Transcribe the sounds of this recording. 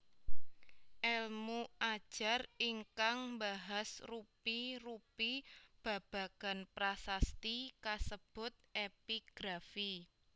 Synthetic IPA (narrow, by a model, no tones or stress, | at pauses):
ʔɛlmuʔad̥ʒ̥a̤riŋkaŋmbaɦasrupirupib̥ä̤b̥a̤ka̤npɾasast̪ikasəb̥ʊ̤t̪̚epiɡ̥ɾafi